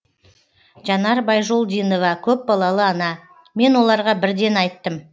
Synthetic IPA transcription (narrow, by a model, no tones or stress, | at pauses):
ʒɑnɑɾbɑjʒolˠd̪ijno̞vɑkʲʰɵp̚bɑlˠɑlˠəɑnɑ | me̞nwo̞lˠɑɾʁɑbɪɾd̪e̞nɑjt̪ːəm